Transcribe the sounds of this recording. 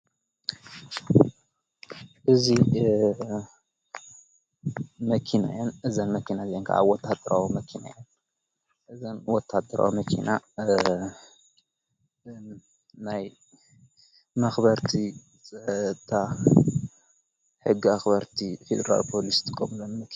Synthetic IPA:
ʔɨzi | mɐkʰina̰jɐnʔɨzɐnmɐkʰinaziɛŋkʰa̰ʔa̰βwɔt̪ʰːad̪ɐɾawumɐkʰina̰jɐn | ʔɨzɐnwɔt̪ʰːad̪ɐɾa̰wimɐkʰḭna | naj | mɐxbɐɾt̪ʰi | sʼɐt̪ʰːa | ħɨɡːiaxbɐɾt̪ʰifed̪ɐɾa̰lpʰolist̪ʰɨkʼomlonmɐk

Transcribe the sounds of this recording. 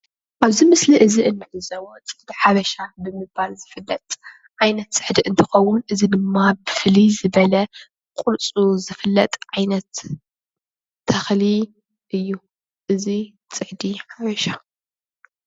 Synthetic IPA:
ʔaβzimɨsliʔɨziʔɨnːɨħɨzɐwot͡sʼɨħd̪iħaβɐʃabɨmɨbalzɨfɨlːɐt̪ʼ | ʕajnɐt̪sʼɨ̥ħd̪iʔɨnt̪ʰɨxɐwʊnʔɨzid̪ɨmːabɨflizɨβɐlɐ | kʼʊɾt͡sʼuzɨfɨlːɐt̪ʼʕajnɐt̪ | ɐxli | ʔɨjːu | ʔɨzi | t͡sʼɨħd̪iħaβɐʃa

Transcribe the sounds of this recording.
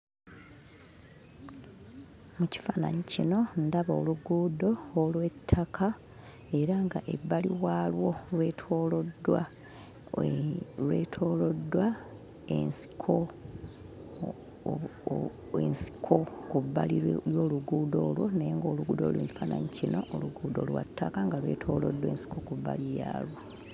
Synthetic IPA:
muci̥fana̰ɲicino̞ndaβoluɡuːdo̞ːlwe̞tʰːakʰa | e̞ɾaŋɡa̰ʔḛbːaliwaːlwo̞lwe̞ːtʰo̞ːlodwa̰ | lwḛːtʰo̞ːlo̞dːwa | ḛnsi̥kʰo̞ | ensi̥kʰokuβːa̰lilwo̞ːluɡuːdo̞ːlwo̞najeŋɡoːluɡuːdo̰ːlweːɲifana̰ɲicino̞ʔoluɡuːdo̞̰lwa̰tʰːakaŋɡalwe̞̰tʰo̞̰ːlo̞̰dːweːnsi̥kokuβːa̰lija̰ːlwo

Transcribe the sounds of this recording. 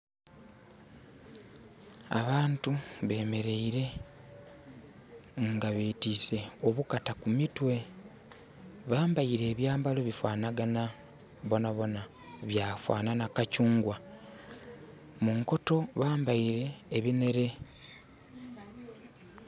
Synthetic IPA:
a̰βaːntu | βe̞ːme̞ɾe̞iɾe̞ | ŋɡaβetise̞ | oβukatakumitwe̞ | βaːmbaiɾe̞ːβjaːmbalo̞βifwaːnaɡana | βo̞naβo̞na | βjaːfwa̰ːnanakacuːŋɡwa | muŋko̞to̞βaːmbaiɾe̞ːβine̞ɾe̞

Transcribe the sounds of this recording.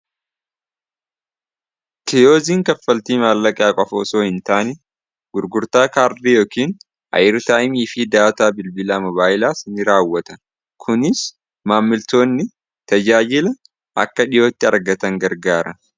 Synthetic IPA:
t̪ɪjoːziːŋkɐfːɐlt̪iːmaːlːɐkʼjaːkʼɔfoːsoːhɪnt̪aːnɛ | ɡ̥ʊɾɡʊɾt̪aːkaːɾd̪ijoːkiːn | ʔɐ̰jɪɾt̪aːʔɪmiːfɪd̪aːt̪aːbɪlbɪlaːmɔβaːʔɪlaːsɪnɪɾaːwːɐt̪ɐ | kʰʊnɪs | maːmːɪlt̪o̞ːnːɪ | t̪ɐd͡ʒaːd͡ʒɪlɐ | ʔɐ̰kːɐᶑɪjo̞ːt̪ːɪɐɾɡɐt̪ɐŋɡɐɾɡaːɾɐ

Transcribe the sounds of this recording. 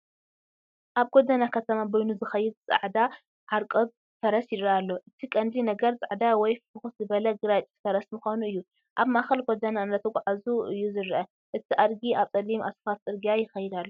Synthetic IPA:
ʔaβɡod̪anakʰɐt̪ʰɐmabojnuzɨxɐjːɪd̪̚t͡sʼa̰ʕd̪a | ʕaɾkʼod̪ | t̪ʰɐɾɐsjɪɾɐalːo̞ʔɨt̪ʰikʼɐnd̪inɐɡɐɾt͡sʼa̰ʕd̪awɔjfɨxut̪zɨβɐlɐɡɨɾat͡ʃʼt̪ʰɐɾɐsmɨxanuɨjːu | ʔaβmaxɐlɡod̪ɐnanːɐt̪ʰɐkʷʼʕazuʔɨjːuzɨɾʔɐ | ʔɨt̪ʰiʔad̪ɡiʔaβt͡sʼɐlimʔa̰sfat̪̚t͡sʼɨɾɡijajɪxɐjɪd̪alːo

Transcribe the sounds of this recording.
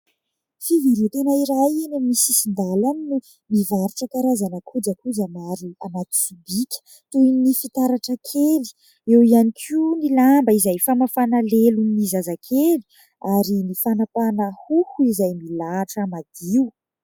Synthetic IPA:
fiviɾut̪enaiɾajenamisisind̪alaninu | mivaɾiʈ͡ʂəkaɾazanəkʰud͡ʒakud͡ʒamaɾianat̪u̥ibikʲə̥ | t̪uinnifit̪aɾaʈ͡ʂəkʰeli̥ | ewianikʰinilambəizajfamafanaleluninizazakʰeli̥ | aɾinifanapanəhuhuizajmilaːʈ͡ʂamad̪̥iw

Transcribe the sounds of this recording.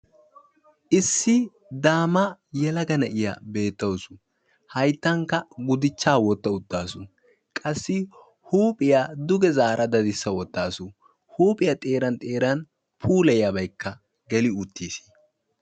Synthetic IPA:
ʔɪsːɪ | d̪aːmɐjɛlɐɡɐnɐʔɪjɐ̰be̞ːt̪ːɐwsʊ̥ | hɐjt̪ːɐŋkːɐɡʊd̪ɪt͡ʃːaːwɔt̪ːɐʊt̪ːaːsʊ | kʼɐsːɪ | huːpʼɪjad̪ʊɡɛzaːɾʔɐd̪ɐd̪ɪsːɐwɔt̪ːaːsʊ | huːpʼɪjɐt̪ʼe̞ːɾɐnt̪ʼe̞ːɾɐn | pʰuːlɛjɐbɐjkʰːɐ | ɡɛlɪʊt̪ʰːiːsi̥

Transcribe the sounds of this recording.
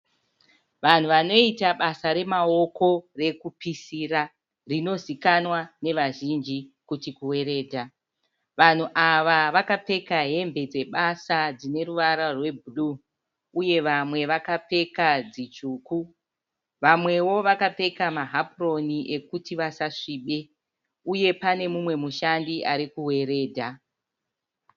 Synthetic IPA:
ʋan̤uʋano̞itaɓasaɾe̞mao̞ko̞re̞kupisira | rino̞zikanwane̞ʋaʒind͡ʒikutikuwe̞ɾe̞ːdʱa | ʋan̤uʔaʋaʋakape̞kaɦe̞mbe̞d͡ze̞ɓasad͡zine̞ɾuʋaɾarwe̞bʱuɗu | uje̞ʋamwe̞ʋakape̞kad͡zit͡ʃuːku | ʋamwe̞wo̞ʋakape̞kamaɦapro̞niʔe̞kutiʋasaʂiːɓe̞ | uje̞pane̞mumwe̞muʃandiʔaɾikuwe̞ɾe̞ːdʱa

